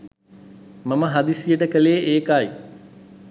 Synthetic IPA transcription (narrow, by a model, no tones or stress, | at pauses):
mɐməɦad̪isijəʈəkəleːeːkaj